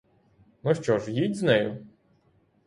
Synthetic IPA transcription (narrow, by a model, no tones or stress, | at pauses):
nɔʃt͡ʃɔʒjidʲznɛjʊ